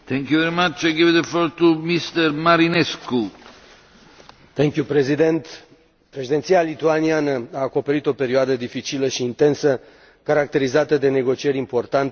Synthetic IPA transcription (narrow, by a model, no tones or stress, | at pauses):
t̪ɛ̃ŋkjuvɛɾimat͡ʃajɡivd̪əfloɾt̪umist̪əɾmaɾinesku | t̪ɛŋkjupɾe̞zid̪ent̪ | pɾe̞ʃed̪e̞nt̪sialit̪uanianəaːko̞pe̞ɾit̪o̞pe̞ɾioad̪əd̪ifit͡ʃiləʃiːnt̪e̞nsə | kaɾak̚t̪e̞ɾizat̪əd̪e̞ne̞ɡo̞t͡ʃie̞ɾimpo̞rt̪ant̪